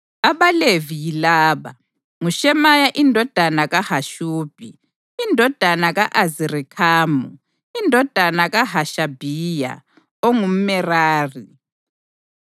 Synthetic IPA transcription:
aβalevijilaːβa̰ | ŋuʃɛmajaʔindʱɔd̥ʱanaɣahaʃuːb̥ʱi | indʱɔd̥ʱanaɣaʔazirikʰaːmu | indʱɔd̥ʱanaɣaɦaʃabʱija̰ | oŋum̩mɛraːri

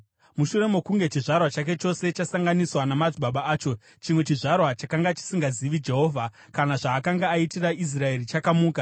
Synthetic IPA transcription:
muʃure̞mukuŋɡe̞t͡ʃiʐarwat͡ʃake̞t͡ʃo̞se̞t͡ʃasaŋɡaniswanamad͡ziɓaɓaaːt͡ʃo̞ | t͡ʃimwe̞t͡ʃiʐarwat͡ʃakaŋɡat͡ʃi̥siŋɡaziʋid͡ʒe̞ɦo̞ːvʱa | kanaʐaːkaŋɡaːitirais̬rae̞rit͡ʃakamuːka

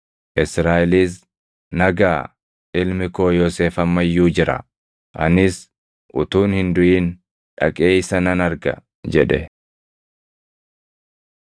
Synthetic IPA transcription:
ʔɪsɾaːʔɛliːs̬ | nɐɡaː | ʔɪlmɪko̞ːjoːseːfɐmːɐjːuːd͡ʒɪɾɐ̰ | ʔɐ̰nɪs | ʔʊ̰t̪uːnhɪnd̪ʊʔiːn | ᶑɐ̰kʼeːɪsɐnɐnɐɾɡɐ̰ | d͡ʒɛᶑɛ

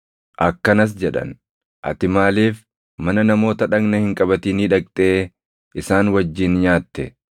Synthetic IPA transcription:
ʔɐkːɐnɐs̬d͡ʒɛᶑɐ̰n | ʔɐ̰t̪ɪmaːleːf | mɐnɐnɐmo̞ːt̪ɐᶑɐɡnɐhɪŋkʼɐbɐt̪iːniːᶑɐkʼt̪ʼeː | ʔɪsaːnwɐd͡ʒːɪnɲaːt̪ːɛ

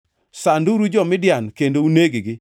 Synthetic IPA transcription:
sanduɾud͡ʒɔmɪdɪjankendouneɡɪɡɪ

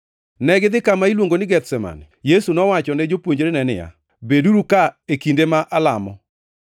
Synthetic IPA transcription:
nɛɡɪd̪ɪkamailwoŋɡonɪɡɛt̪sɛma̰njesunɔwat͡ʃɔnɛd͡ʒopwoɲd͡ʒɾenɛnɪ̰ja̰ | beduɾukaekindemaʔalamɔ̰

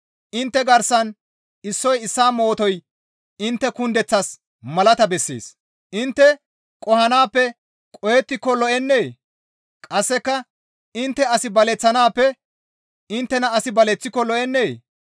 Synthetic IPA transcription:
ʔɪnt̪ːɛɡɐɾsɐn | ɪsːɔjɪsːaːmo̞ːt̪ɔj | ɪnt̪ːɛkʊnd̪ɛt͡sːas | mɐlɐt̪ɐbɛsːḛːs | ʔɪnt̪ːɛ | kʼɔhɐnaːpːɛ | kʼɔjɛt̪ːɪkːɔlɔʔɛnːeː | kʼɐsːɛkːɐ | ɪnt̪ːɛɐsɪbɐlɛt͡sːɐnaːpːɛ | ɪnt̪ːɛnɐɐsɪbɐlɛt͡sːɪkːɔlɔʔɛnːeː

